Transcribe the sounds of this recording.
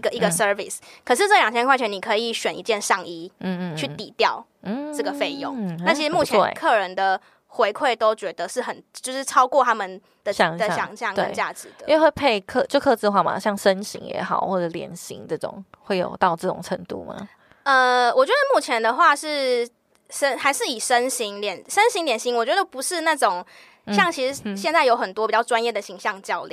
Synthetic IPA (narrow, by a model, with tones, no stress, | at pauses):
i˧ɡə˨˩i˧ɡə˨˧sə˧˥vi˩skʰə˨˩ʂ̬ɻ̩˥˧ʈ͡ʂɤ˥˩jɑ˨˩ŋt͡ɕʰjɛ˥kwa˥˩t͡ɕʰɥɛ˧˥ni˨˩kʰɤ˧˥i˨˩ɕɥɛ˨˩nʔḭ˦t͡ɕjɛ˥˧nʂɑ˥˧ŋi˥˧t͡ɕʰy˥˩t̪i˨˩t̪jɑ˥˨˩ʊ˥˩ | ʈ͡ʂɤ˥˩ɡə˩fe˥˧ɪjo˥˨˦ŋna˥˩i˧˥ʂɻ̩˧mu˥˩t͡ɕʰɛ˥e˥˩kʰɤ˥˩ɻə˧˦nd̪ə˨ | xwe˧ɪkʰwe˥˩ɪt̪o˥ʊt͡ɕɥɛ˧˥d̪ə˨ʂɻ̩˥˩xə˨˩nt͡ɕt͡ɕjo˥˧ʊʂɻ̩˥˩ʈ͡ʂʰɑ˥ʊkwɔ˥˨t̪ʰa˥mə˨n | d̪̥ə˨ɕɑ˧˦ŋd̪ə˨ɕjɑ˨˧˦ŋɕjɑ˥˩ŋk̪eə˥˦˧t͡ɕja˥˩ʈ͡ʂɻ̩˨˦d̪ə̥˦˥˧xwe˥˧ɪpʰe˥˧ɪkʰɤ˥˧˨t͡ɕjo˥˧ʊkʰɤ˥˧t͡s̩˥˧xwa˥˩ma̰˨ɕjɑ˥˩ŋʂə˦nɕḭ˧˥ŋjɛ̰˧˦˥xɑ˨˩ʊxwɔ˥˩ʈ͡ʂə˨˩ljɛ̰˧˥nɕḭ˧˥ŋt͡sɤ˥˩ʈ͡ʂo̰˨˩ŋxwe˥˩ɪjo̰˨˩ʊt̪ɑ˥˧ʊʈ͡ʂɤ˥˩ʈ͡ʂo̰˨˩ŋʈ͡ʂʰə˧˥ŋt̪ṵ˥˩ma̰˩ | ə˧wʔɔ˨˩t͡ɕɥɛ˧˦˥d̪ə˧mu˥˩t͡ɕʰjɛ˧˦nd̪ə˧xwa˥˧ʂɻ̩˥˩ | ʂə˥nxa˧˥ɪʂɻ̩˥˩i˨˩ʂə˦nɕi˧˥ŋljɛ˨˩nʂə˦nɕi˧˥ŋljɛ˨˩nɕi˧˥ŋwɔ˨˩t͡ɕɥɛ˧˦˥d̪ə˧˩pu˧˥ʂɻ̩˥˧na˥˩ʈ͡ʂʊ˨˩ŋ | ɕjɑ˥˩ŋt͡ɕʰi˧˥ʂɻ̩˧˥ɕjɛ˥˧nt͡sa˥˩ɪjo˧˥ʊxə˨˩nt̪wɔ˥pi˨˩t͡ɕjɑ˥˩ʊʈ͡ʂwa˥˦njɛ˥˩d̪ə˩ɕi˧˥ŋɕjɑ˥˧ŋt͡ɕjɑ˥˧ʊlḭ˨˩